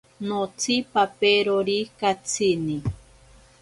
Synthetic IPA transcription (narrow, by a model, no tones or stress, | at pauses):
not͡sʰipapeɾoɾikat͡sʰini